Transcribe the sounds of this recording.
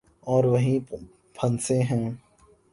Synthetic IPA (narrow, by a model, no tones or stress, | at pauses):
ɔːɾʋɐɦĩ | pʰɐ̃nsẽɦɛ̃ː